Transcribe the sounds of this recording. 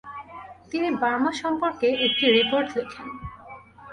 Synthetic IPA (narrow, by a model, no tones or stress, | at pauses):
t̪inibaɾmaʃɔmpoɾkeʔek̚ʈiɾipoɾʈd̪ekʰen